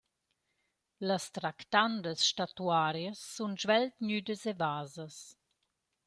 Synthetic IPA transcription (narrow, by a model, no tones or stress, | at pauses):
ləst̪ɾakt̪and̪əsʃtat̪uaɾjəsːunʒvɛlt̪ɲyd̪əsevaːzəs